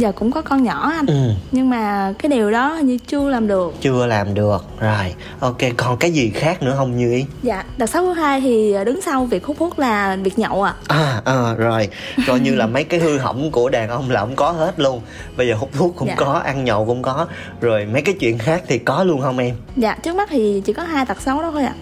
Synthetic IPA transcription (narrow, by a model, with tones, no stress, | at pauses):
zəː˨˩kʊ̰˧˥ŋ͡mkɔ˨˦kɔ˧nɲɔ˧˩ʔaː˧ʔɨ˨˩mɲɨ˧ŋmaː˨˩kaː˨˦jɗi˨˩əwɗɔː˨˦˨ɲɨ˧t͡ɕɨ˧əlaː˨˩mɗɨ˨˩ək̚t͡ɕɨ˧əlaː˨˩mɗɨ˨˩ək̚zo˨˩j | ʔo˧ke˧kɔ˨˩nkaː˨˦jzi˨˩xaː˦˥k̚nɨ̰˧˥əɦə˧wŋ͡mɲɨ˧i˨˦za̰ː˧˨ɗt̚sa˦˥k̚ɔ˨˦˥haː˧jt̪ʰiː˨˩˨ɗɨ˨˦ŋsa˧wvi˨˩ək̚hu˦˥p̚fʰu˦˥t̚laː˨˩vi˨˩ək̚ɲə̰˧˨wʔaː˧˨ʔaː˨˩ʔəː˨˩zo˨˩jkɔ˧jɲɨ˧laː˨˩mə˨˦jkaː˨˦jhɨ˧ɦə̰˧˩wŋ͡mku˧˩əɗaː˨˩ŋʔə˧wŋ͡mlaː˨˩kʊ̰˧˥˦ŋ͡mkɔ˨˦he˦˥t̚lu˧ən | ɓə˧jzəː˨˩ʊ˦˥p̚fʰu˦˥k̚kʊ̰ː˧˥˨ŋ͡mkɔ˨˦ʔa˧nɲɔ̰˧˨wkʊ̰˧˥ŋ͡mkɔ˨˦ | zo˨˩jmə˨˦jkaː˨˦jt͡ɕwḭ˧˨ənxaː˦˥k̚t̪ʰi˨˩kɔ˨˦lu˧ənhə˧wŋ͡mʔɛ˧m | za̰ː˧˨t͡ɕɨ˦˥ək̚ma˦˥t̚t̪ʰi˨˩t͡ɕḭ˧˩kɔ˨˦ɦaː˧jt̪a˨˩t̚sə˨˦wɗɔ˨˦xo˧jʔa̰ː˧˨